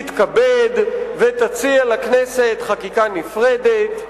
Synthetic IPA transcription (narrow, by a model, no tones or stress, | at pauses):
t̪kabed̪vet̪at͡sialakneset̪χakikanifʁed̪et̪